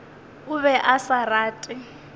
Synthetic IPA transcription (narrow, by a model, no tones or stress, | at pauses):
ʊβɛʔasaraːtʼɪ